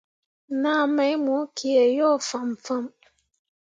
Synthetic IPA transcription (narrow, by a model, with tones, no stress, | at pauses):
na˦mɛ˨˦mu˨˦kʰi˨e˨jɔ˦˨fa˨m˨fə˦˨m